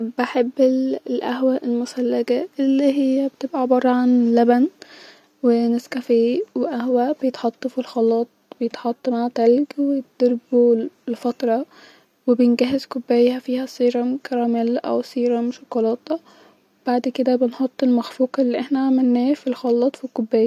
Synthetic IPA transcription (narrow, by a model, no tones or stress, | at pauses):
beħebːelʔæɦwæʔelmʊsælːæɡæʔelːiɦɪjːæbet̪ebʔæbɑrˤːɑʕanlæbæn | weneskæfiːweʔæhwæb̥ejet̪ħɑt̪ˤːɑfilxɑlːɑːt̪̚ˤb̥ejet̪ħɑt̪ˤːmaʕt̪ælɡwejt̪̚d̪̥eɾbulfɑt̪ɾˤɑ | webjenɡæɦezkobːæːjhæfiːhæsˤiːɾˤɑmkɑɾˤɑːmælʔæ̰wsiːɾɑmʃokolɑːt̪ˤɑ | web̥aʕd̪ked̪æbenħot̪ˤːelmæxfuːqelːiʔeħnæʕamænːæːfilxɑlːɑːt̪ˤfikobːæːjæ